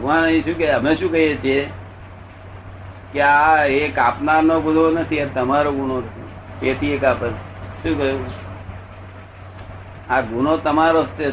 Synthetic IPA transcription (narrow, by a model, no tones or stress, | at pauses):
bʱəɡʋanəĩʃũkeəmeʃũkəɦet͡ʃʰie | keaekapnaɾnobud̪ʱonət̪ʰiat̪əmaɾoɡunonʰḛ | ket̪ʰiekapəɾ | ʃũːkəɦjũ | aɡunot̪əmaɾost̪e